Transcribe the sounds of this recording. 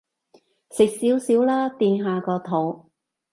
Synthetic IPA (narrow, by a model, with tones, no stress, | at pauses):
sɪ˨k̚siː˨˥wsiː˨˥wlaː˥t̪iː˧nɦaː˨˧kɔː˧t̪ʰo˨˩w